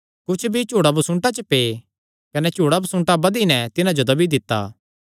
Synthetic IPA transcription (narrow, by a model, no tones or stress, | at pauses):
kʊt͡ʃʰbʱit͡ʃuːɽabusʊ̃ɳʈat͡ʃəpeː | kɐnɛt͡ʃuːɽabɐsʊ̃ɳʈabɐd̪inɛt̪ɪnãd͡ʒod̪ɐbid̪ɪt̪ːa̰ː